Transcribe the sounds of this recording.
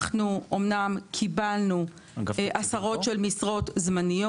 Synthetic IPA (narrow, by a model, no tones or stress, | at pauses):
χnuomnamkʰibalnu | ʔasaʁo̞tʃelmisʁo̞tzmanijo